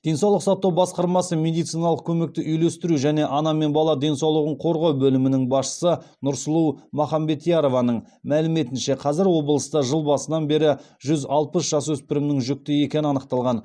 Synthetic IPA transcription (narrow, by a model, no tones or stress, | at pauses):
d̪̥e̞nsɑwlˠəqsɑt̪ːɑwbɑsqɑɾmɑsəmʲe̞d̪ijt̪sijnɑlˠəq̚kʲʰɵme̞k̚t̪ɪʔʏjlest̪ɪɾuʒæne̞ʔɑnɑme̞nbɑlˠɑd̪e̞nsɑwlˠəʁəɴqʰo̞ɾʁɑwbɵlɪmɪnɪŋbɑsʃə̥sə | nʊɾsəlˠuwmɑχɑmbe̞t̪ijɑɾo̞vɑnəɴ | mælɪme̞t̪ɪnʃe̞qʰɑzɪɾwo̞bəlˠəst̪ɑʒəlˠbɑsənɑnbe̞ɾɪ | ʒʏzɑlˠpəsʒ̥ɑswɵspɪɾɪmnɪŋʒʏk̚t̪ɪe̞kʲe̞nɪɑnəqt̪ɑlˠʁɑn